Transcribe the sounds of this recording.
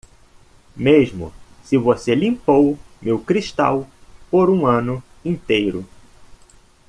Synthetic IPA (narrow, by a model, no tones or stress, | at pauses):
meʒmʊ̰ | sɪvoselĩmpowmewkɾiʃt̪a̰wpoɾũɐ̃nʊ | ĩnt̪ejɾʊ